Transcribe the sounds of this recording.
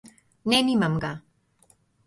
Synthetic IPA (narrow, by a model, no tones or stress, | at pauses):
nɛnimamɡa